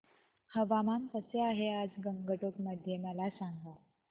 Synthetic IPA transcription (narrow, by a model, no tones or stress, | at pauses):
həʋamamt̪əseaɦead͡zɡəŋɡəʈokməd̪ʱjeməlasaŋɡa